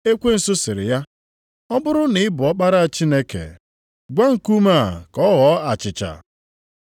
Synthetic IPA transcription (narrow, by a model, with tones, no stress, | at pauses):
e˦kʷe˦n̩˨sʊ˦sɪ˨ɾɪ̰˨ja˦ | ɔ˦bʊ˦ɾʊ˦nɪ˨ɪ˦bʊ˨ɔ˦k͡pa˦ɾa˦a˨t͡ʃi˦ne˦kḛ˨ | ɡʷa˦ŋ̩˨ku˦ma˦˨kɔ˦ɣɔ˨˦a˨t͡ʃɪ˨t͡ʃa̰˨